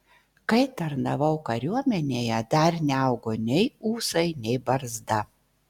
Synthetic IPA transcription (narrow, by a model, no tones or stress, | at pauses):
kɐɪt̪ɐɾnɐʋɐʊkɐɾʲuɔmʲɛnʲeːjɛd̪ɐɾnʲɛɐˑʊɡoːnʲɛɪuːsɐɪnʲɛɪbɐɾzd̪ɐ